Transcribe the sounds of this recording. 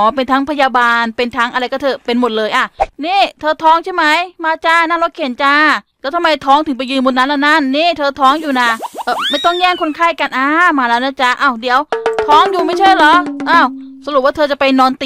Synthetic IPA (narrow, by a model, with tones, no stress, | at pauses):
ɔː˨˦pe˧nt̪ʰa˦˥ŋpʰa˧jaː˧baː˧npe˧nt̪ʰa˦˥ŋʔa˧ɾa˧jkɔː˥˩t̪ʰɤː˧˩pe˧nmo˨˩t̪̚lɤː˧jʔa˨˩niː˥˩t̪ʰɤː˧t̪ʰɔː˦˥ŋt͡ɕʰa˥˩jma˦˥jmaː˧t͡ɕa˧˩naː˥˩ŋlo˦˥kʰe˨˩˦nt͡ɕa˧˩lɛː˦˥wt̪ʰa˧ma˧jt̪ʰɔː˦˥ŋt̪ʰɯ˩˦ŋp̬a˧jɯː˧nbu˧nːa˦˥laː˦˧˥wna˦˥˩nːiː˥˩t̪ʰɤː˧t̪ʰɔː˦˥ŋjuː˨˩na˧˩ʔɤː˧˩ma˥˩jt̪ɔ˥˩ŋɲɛː˥˩ŋkʰo˧nkʰaː˥˩jka˧nʔaː˧˩maː˧lɛː˦˥wna˥˩t͡ɕa˧˩ʔaː˧˩wdi˩˦əwt̪ʰɔː˦˥ŋjuː˨˩ma˥˩jt͡ɕʰa˥˩jlɔ˨˦˥ʔaː˧˩wsa˧ɾu˨˩p̚waː˥˩t̪ʰːt͡ɕa˨˩pa˧jnɔː˧nt̪i˨